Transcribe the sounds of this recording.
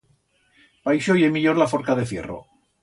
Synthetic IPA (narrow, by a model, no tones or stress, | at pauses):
pajʃojemiʎoɾlafoɾkaðefjḛro̰